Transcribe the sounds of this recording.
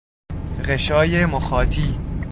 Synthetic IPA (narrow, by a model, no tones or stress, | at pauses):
ɢeʃɒːjemoxɒːt̪ʰiː